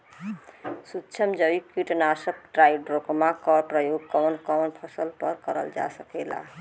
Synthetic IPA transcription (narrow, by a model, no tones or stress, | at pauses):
sutːt͡ʃʰəmd͡ʒəikiʈnasəp̚ʈɾaiɖɾokmakɔɾpɾəjoɡ̚kɔnkɔwnpʰəsəlpəɾkəɾə̰ld͡ʒa̰səkɛla̰